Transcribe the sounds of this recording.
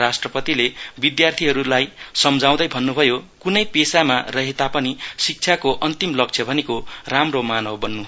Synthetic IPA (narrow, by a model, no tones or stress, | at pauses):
asʈrʌpʌt̪ilebid̪jart̪ʰiɦʌɾulajsʌmd͡zaw̃d̪ʌjbʱʌnːubʱʌjokunʌjpesamarʌɦet̪apʌnisik̚t͡sʰjakoʔʌnt̪imlʌk̚t͡sʰʌbʱʌnekoramromanʌwbʌnːu